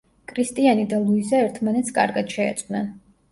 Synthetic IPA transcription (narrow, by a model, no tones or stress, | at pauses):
kʰɾist̪ʼianid̪alˠuizaɛɾt̪ʰmanɛt̪sʰkʼa̰ɾɡad̪̥ʃɛ̰ːt̪sʼnɛn